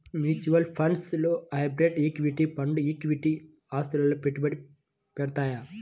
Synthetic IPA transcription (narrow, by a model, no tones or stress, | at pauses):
mjuːt͡ʃuʋɐlpʰɐɳɖsloːɐjbɾeʈiːkʋiʈipɐɳɖuiːkʋiʈi | aːst̪ulɐlːoːpeʈːubɐɽi | pɛɽt̪aːja